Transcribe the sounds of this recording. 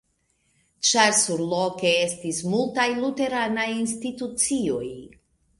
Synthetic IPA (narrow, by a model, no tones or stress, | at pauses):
t͡ʃaɾsuɾlo̞ke̞e̞stismultajlute̞ɾanajinstitut͡sio̞j